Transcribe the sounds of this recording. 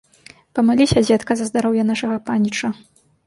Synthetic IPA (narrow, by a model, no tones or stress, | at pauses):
pɐmalʲiɕʲɐd͡zʲɛt̪kɐzɐzd̪aɾɔwjɐnaʂɐɣɐpanʲit͡ʂɐ